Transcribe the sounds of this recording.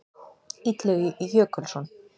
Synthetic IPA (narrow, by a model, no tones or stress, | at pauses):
it̪lɘjøkɘ̆lʲʃon